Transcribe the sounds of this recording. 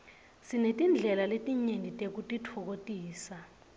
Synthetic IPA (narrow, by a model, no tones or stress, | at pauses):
sinetʼind͡ɮʱɛlaletʼiɲenitʼek̬utʼitʰɔk̬otʼiːsa